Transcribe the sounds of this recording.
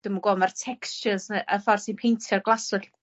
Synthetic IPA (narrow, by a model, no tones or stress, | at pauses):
d̥əmɡɔmartʰɛkst͡ʃəsəʔəfɔrsinpʰejntʰjɔrɡlˠasʊɬ